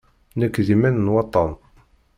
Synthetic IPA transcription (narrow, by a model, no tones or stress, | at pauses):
nəkːðimænənwɑt̪ˤːɑn